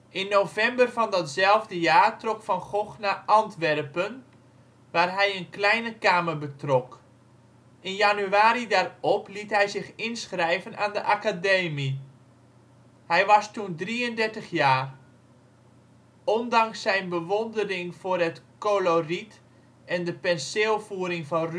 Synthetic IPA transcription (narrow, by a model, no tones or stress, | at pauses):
ʔɪnːowvɛmbərvɑndɑtzɛlˠvdəjaːrtrɔkfɑnχɔχnaʔɑntʋɛrpən | ʋaːrɦɛjənklɛjnəkaːmərbətrɔk | ɪnjanyaːɾidaːrɔplitɦɛjzɪχɪnsχrɛjvənaːndəʔakadeːmi | hɛjʋɑstundriəndɛɹtəχjaːr | ɔndɑŋsːɛjnbəʋɔndərɪŋv̥ʊːrɦətkolorit | ɛndəpɛnseːlˠfuːəɾɪŋvɑnr